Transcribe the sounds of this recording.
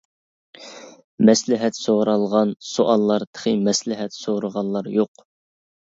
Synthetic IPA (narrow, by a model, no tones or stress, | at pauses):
mɛslɪɦɛt̪soʁɾɑlˠʁɑnsuʔɑlˠːɑɾt̪ʰə̥χɨmɛslɪɦɛt̪soɾəʁɑlˠːɑɾjoq